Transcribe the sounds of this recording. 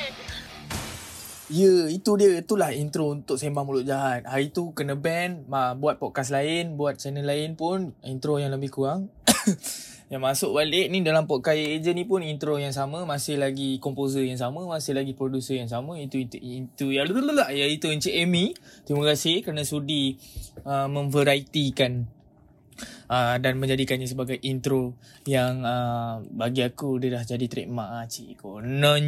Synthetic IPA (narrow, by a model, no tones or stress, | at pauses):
ijəit̪udiəit̪ulahint̪ɾount̪ʊʔ̚sembaŋmulʊʔ̚d͡ʒaɦat̪̚haɾit̪ukənəbɛnmabuat̪̚pɔʔ̚kas̬laɪnbuat̪̚t͡ʃanəlaɪnpʊnint̪ɾojaŋləmbɪhkuaŋ | jaŋmasʊʔ̚balɪʔnidalampɔʔ̚kajiʔed͡ʒənĩpʊnint̪ɾojaŋs̬amə̃mãsɪhlaɡikɔmpozəjaŋs̬amə̃masɪhlaɡipɾodusəjaŋs̬amãit̪uit̪ujaluululaʔjait̪uənt͡ʃeʔɛmĩt̪ɾimakasɪhkəɾanãsudi | əmə̃nvəɾait̪ikan | ədanmə̃ɲd͡ʒadikanɲãs̬əbaɡajʔint̪ɾo | jaŋəbaɡiakudədahd͡ʒadit̪ɾḛʔmãat͡ʃiʔkonɔ̃n